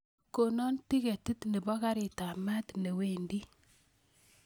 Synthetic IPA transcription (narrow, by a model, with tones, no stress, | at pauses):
ko˨nɔ˦nti˦ke˨ti˦tne˨bɔ˦ka˦ɾi˨ta˨ma˦tne˨we˨ndi˦